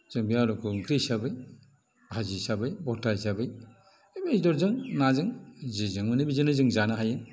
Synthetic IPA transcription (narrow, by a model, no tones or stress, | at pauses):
z̥ɯŋbiaɾɔkʰɯŋkʰɾijsabɯj | bʱazisabɯjbɔtajsabɯj | beidɔɾzɯŋnazɯŋzezɯŋmɯnɯbizɯnɯzɯŋzanaɦajɯn